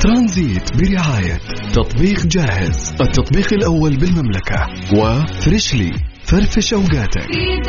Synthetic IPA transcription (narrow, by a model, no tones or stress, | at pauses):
t̪ɾˤɑnziːt̪bɪɾɪʕaːja̰t̪ːɑt̪ˤbiːqd͡ʒaːhɪ̰zʔɪt̪ːɑt̪ˤbiːqalʔawːalbɪlmamlaka̰ | wɪfɾɪʃlḭ | faɾˤfɪʃʔawɡaːt̪a̰k